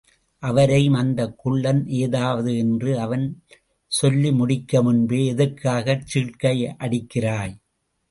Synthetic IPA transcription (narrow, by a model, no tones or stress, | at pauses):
ʔɐʋɐɾɐɪmɐnd̪ɐkːʊɭːɐnʔeːðaːʋɐðɯɛndrɯɐʋɐn | sɔlːimʊɽɪkːɐmʊnbeːɛðɐɾkaːɣɐt͡ʃːɪɭkɐjʔɐɽɪkːɪraːj